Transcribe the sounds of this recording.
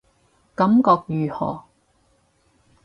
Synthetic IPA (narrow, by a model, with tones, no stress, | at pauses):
kɐ˨˥mkɔː˧k̚jyː˨˩hɔ̰ː˨˩